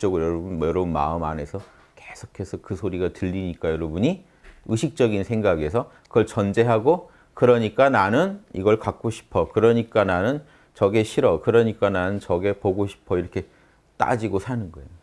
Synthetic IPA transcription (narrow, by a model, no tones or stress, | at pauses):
t͡ɕ͈ʌɡɯɾojʌɾʌbunjʌɾʌbunma̰ɯma̰ne̞sʰʌ | kesʰo̥kʰe̞sʰʌkɯsʰoɾiɡatɯʎːiɲik͈ajʌɾʌbuɲi | ɯɕʰik̚t͡ɕ͈ʌɡinsʰe̞ŋɡaɡe̞sʰʌ | kɯɡʌɭt͡ɕʌnd͡ʑe̞ɦaɡo | kɯɾʌɲik͈ananɯniɡʌɭkak͈oɕʰi̥pʰʌkɯɾʌɲik͈ananɯn | t͡ɕʌɡe̞ɕʰiɾʌkɯɾʌɲik͈ananɯnt͡ɕʌɡe̞poɡoɕʰi̥pʰʌiɾʌkʰe̞ | t͈a̰d͡ʑiɡosʰanɯnɡʌḛjo